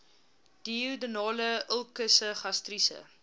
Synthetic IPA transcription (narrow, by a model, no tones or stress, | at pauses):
d̥iudənɑːləəlˠkəsəχɐstrisə̰